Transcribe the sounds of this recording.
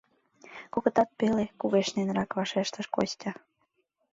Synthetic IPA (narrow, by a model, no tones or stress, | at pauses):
koɣə̆t̪ɑt̪̚pelekuɣeʃnenrɑkβɑʃeʃt̪ə̆ʃko̰st̪ʲɑ